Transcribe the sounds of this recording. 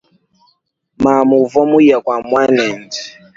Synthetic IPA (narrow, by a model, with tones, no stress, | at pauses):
ma˨mu˨vɔ˦mu˦ja˨kwa˨mwa˦nɛ˨nd